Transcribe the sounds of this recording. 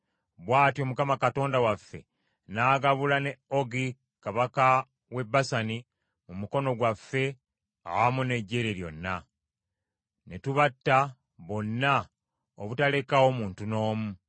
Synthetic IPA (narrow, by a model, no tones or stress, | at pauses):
βwaːtjo̞mukamakato̞ːndawafːe̞̰ | naːɡaβulane̞o̞ɡi | kaβaka | we̞basani | mumuko̞no̞ɡwafːe̞ | a̰wamune̞ɟːe̞ɾeɾjo̞̰nːa | netuβatːa | βo̞nːa | o̰βutale̞kao̞muːntuno̞ːmu